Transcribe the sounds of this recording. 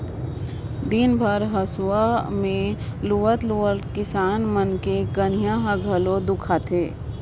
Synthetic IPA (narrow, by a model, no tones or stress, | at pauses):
d̪inbʱəɾɦəsuamẽluʋət̪luəlkɪsaːnmənkeɡənijãɦəɡʱəlod̪ʊkʰat̪ʰeː